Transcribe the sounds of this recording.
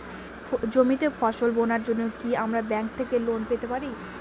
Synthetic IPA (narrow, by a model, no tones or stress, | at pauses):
d͡ʑomit̪efɔʃolbonaɾd͡ʑonːokiamɾabɛŋk̚t̪ʰekelonpet̪epaɾi